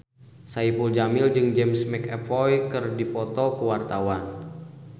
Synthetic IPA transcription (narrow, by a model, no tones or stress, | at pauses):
saipuld͡ʒamɪld͡ʒɨŋd͡ʒɛmsmɛkɛpɔjkɨrdipɔt̪ɔkəwart̪awan